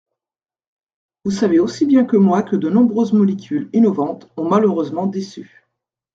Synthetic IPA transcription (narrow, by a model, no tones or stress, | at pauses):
vusaveosibjɛ̃kəmwakəd̪ənɔ̃bʁøzmɔlekʲylinɔvɑ̃t̪ɔ̃maløʁøzmɑ̃d̪esy